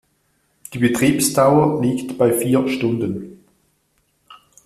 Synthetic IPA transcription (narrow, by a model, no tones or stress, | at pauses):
d̥iːbətʁ̥iːpsd̥aʊəliːktb̥aɪfiːɐʃtʊndən